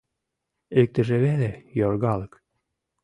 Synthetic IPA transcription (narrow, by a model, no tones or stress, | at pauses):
ek̚t̪ə̆ʒĕβelejorɣɑlək